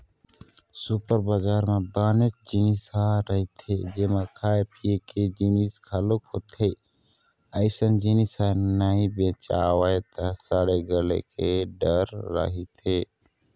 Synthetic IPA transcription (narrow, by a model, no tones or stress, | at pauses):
supəɾbad͡ʒaːɾmebaːnet͡ʃd͡ʒinisaɾəɦit̪ʰed͡ʒemakʰaːepʰijeked͡ʒiniskʰəlokhot̪ʰe | əɪsənd͡ʒinisanaĩbẽt͡ʃawəet̪əsaːɽeɡəlḛkʰeɖəɾːə̰ɦit̪ʰe